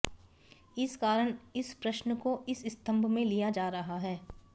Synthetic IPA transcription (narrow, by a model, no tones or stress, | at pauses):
ɪskaːɾəɽ̃ɪspɾɐʃnəkoɪsɪst̪ə̃mbʱmẽlijad͡ʒaːɾɐɦaɦɛː